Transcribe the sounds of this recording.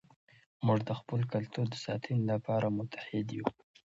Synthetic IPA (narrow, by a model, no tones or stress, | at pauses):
muʐd̪əxpəlkalt̪uɾd̪əsɑt̪ʰinlapɑɾamʊt̪ʰḁhɪd̪ju